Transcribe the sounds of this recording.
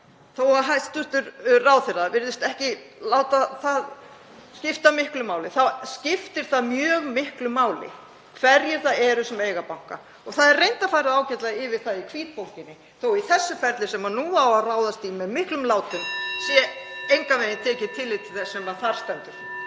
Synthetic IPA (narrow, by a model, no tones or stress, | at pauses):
θowaɦajt̪ʏht̪ʏɾraːwθɪɾaðvɪɾðʏst̪ɛhcɪlaːwt̪aθað | scɪft̪amɪhklʏmaːwlɪθawscɪft̪ɪɾ̥θaðmjœːɣmɪhklʏmaːwlɪ̰ | kʰvɛɾjɛɾ̥θaðɛɾʏsɛmejɣapawŋ̥ka̰ | ɔɣθaðɛrrejnt̪afaːjɾaðaːwcɛt̪laɪvɪɾ̥θaðikʰviːt̪̚fowl̥cɪnːɪ | θowiθɛsːʏfɛɾt̪lɪsɛmanuːawaðraːwðast̪imːɛðmɪhklʏmlaːwt̪ʏmsjɛejŋkavejnɪt̪ʰɛːcɪt̪ʰɪlːɪt̪ʰɪlθɛsːɛmaðθaɾ̥st̪œnt̪ʏɾ̥